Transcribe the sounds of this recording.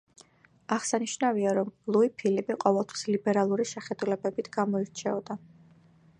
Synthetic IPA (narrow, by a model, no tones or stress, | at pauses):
aʁsaniʃnaviaɾɔmlˠuipʰilibiqʼɔvɛlˠt̪ʰwi̥slibɛɾalˠuɾiʃɛχɛd̪ulɛbɛbit̪ʰɡ̥amɔiɾt͡ʃʰɛɔd̪a